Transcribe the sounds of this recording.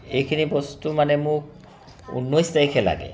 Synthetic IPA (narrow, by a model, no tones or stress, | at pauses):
ejkʰinibɔst̪umanemuk̚ | ṵnːojst̪ajkʰɛla̰ɡḛ